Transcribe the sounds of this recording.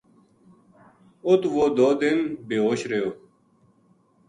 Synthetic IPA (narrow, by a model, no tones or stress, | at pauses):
ʊt̪ʋoːd̪oːd̪ɪnbeːoːɕɾeoː